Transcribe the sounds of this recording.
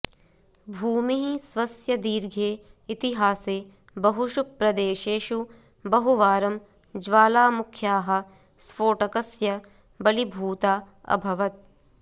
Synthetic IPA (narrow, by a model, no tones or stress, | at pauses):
bʱuːmiɦisʋɐsjɐd̪iːɾɡʱeːit̪iɦaːseː | bɐɦuʃuk̚pɾɐd̪eːʃeːʃu | bɐɦuʋaːɾɐm | d͡ʒʋaːlaːmukʰjaːɦɐ̆ | sfoːʈɐkɐsjɐ | bɐlibʱuːt̪aː | ɐ̰bʱɐʋɐt̪̚